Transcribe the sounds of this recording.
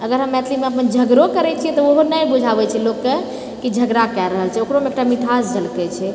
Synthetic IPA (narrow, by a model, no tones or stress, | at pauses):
əɡəɾɦəmːɛt̪ʰlimeəpənd͡ʒʱəɡɾokəɾɛt͡ʃʰijɛt̪ɔoɦonəjbud͡ʒʱabɛt͡ʃʰɛlokːe | kid͡ʒʱəɡɾakɛɾəɦəlt͡ʃʰɛokɾomeekʈamiʈʰasd͡ʒəlkɛt͡ʃʰɛ